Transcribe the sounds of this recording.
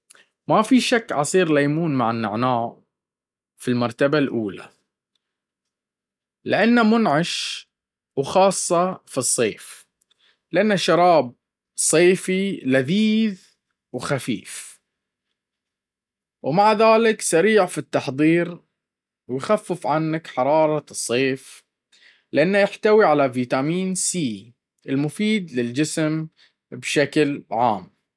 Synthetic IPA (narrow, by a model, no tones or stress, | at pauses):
mafiʃakːʕɑsˤiːɾlajmuːnmaʕɪnːɪ̰ʕnaːʕ | filmɑɾˤt̪abalʔuːla̰ | lɪʔanːamʊnʕaʃ | wxɑːsˤːɑfisˤːeːf | lʔanːaʃɑɾˤɑːb̚ | sˤeːfilaðiːð | wxafḭːf | wmaʕðaːlɪksaɾiːʕfit̪ːɑħðˤiːɾ | wjxafːɪfʕanːakħɑɾˤɑːɾˤɑsˤːeːf | lʔanːajɪħt̪awiʕalaviːt̪amiːnsiː | ʔɪlmʊfiːd̪lɪld͡ʒɪsm | bʃaklʕa̰ːm